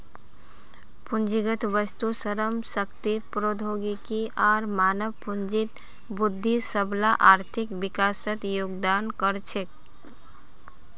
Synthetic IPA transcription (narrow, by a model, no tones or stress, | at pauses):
pund͡ʒiɡət̪ʋəst̪usəɾəmsəkt̪ipɾod̪ʱoɡikiʔaːɾmaːnəʋpund͡ʒit̪ | bud̪ʱːisəblaʔaːɾt̪ʰikʋɪkasət̪joːɡd̪ankəɾt͡ʃʰek